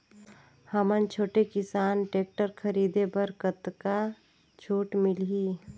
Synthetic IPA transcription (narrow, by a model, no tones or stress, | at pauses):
həmənt͡ʃʰoːʈekɪsaːnʈeːk̚ʈəɾkʰəɾiːd̪ebəɾkət̪ka | t͡ʃʰoːʈmɪliː